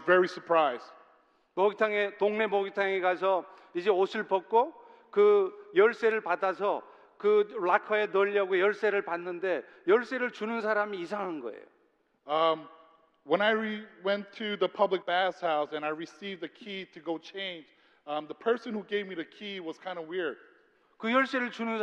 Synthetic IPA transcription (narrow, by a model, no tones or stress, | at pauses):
vɛɹisə˞pʰɹ̥aɪzd | mʌɡitʰaŋetoŋne̞mʌɡitʰaŋeɡas̬ʰʌ | id͡ʑe̞osʰɯɭpʌk̚k͈o | kɯjʌɭs͈e̞ɾɯɭpadas̬ʰʌ | kɯlakʰʌe̞nʌʎːʌɡojʌɭs͈e̞ɾɯɭpanːɯnde̞ | jʌɭs͈e̞ɾɯɭt͡ɕunɯns̬ʰaɾamiːs̬ʰaŋɦanɡʌḛjo̰ | ʌ | wə̃ñaɪɹiwɛ̃ntʰɨðɨpʰʌblɨk̚b̥æshaʊsɨ̃naɪɹisivðɨkʰiɾɨɡoʊt͡ʃʰẽɪ̃nd͡ʒ | ʌðəpʰɜ˞sɨ̃nhuɡeɪvmiðɨkʰiwʌz̥kʰãɪ̃ndəwɪɹd̥̚ | kɯjʌɭs͈e̞ɾɯɭt͡ɕunɯns